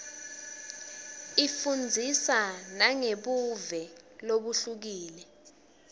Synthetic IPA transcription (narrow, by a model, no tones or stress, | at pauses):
ifund͡zʱisanaŋeɓuvɛloɓuɬuk̬iːlɛ